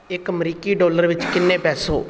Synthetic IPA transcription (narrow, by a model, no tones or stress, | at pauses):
ɪkəmɾiːkiːɖoːləɾʋɪt͡ʃkɪnːẽːpɛːso̰ː